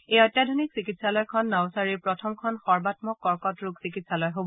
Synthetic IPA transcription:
ejɔjtːadʱoniksikitsalɔjkʰɔnːɔwsaɹiɹpɹɔtʰɔmkʰɔnxɔɹbatmɔkːɔɹkɔtɹuksikitsalɔjɦobɔ

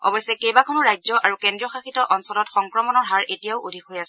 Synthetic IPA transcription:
ɔ̰bɔjsːɛkejbakʰʊnʊɹajzɔʔaɹukɛndɹiɔxaxitɔʔɔnsɔlɔtxɔŋkɹɔmɔnɔɹɦaɹetijaʊodʱikojasɛ

